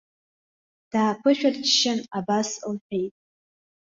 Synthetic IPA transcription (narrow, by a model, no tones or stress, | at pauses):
d̥aːpʰɨʃᶣadt͡ʃʃɪnabaslħʷᶣe̞jtʼ